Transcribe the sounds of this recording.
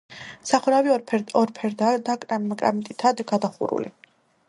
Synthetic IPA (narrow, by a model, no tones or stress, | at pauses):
saχuɾaviɔɾpʰɛɾd̪ad̪akʼɾamkʼɾa̰mt̪ʼit̪ʰad̪ɡad̪aχṵɾṵlḭ